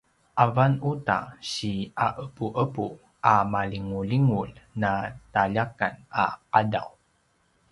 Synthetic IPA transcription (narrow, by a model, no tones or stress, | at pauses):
ʔavanuta̰ɕiaʔəpuʔəpu | ʔamaliŋuliŋulnataʎakana̰qada̰w